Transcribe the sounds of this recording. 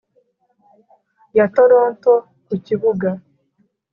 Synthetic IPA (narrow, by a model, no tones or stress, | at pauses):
jatoɾoːnto | kuciβuɡa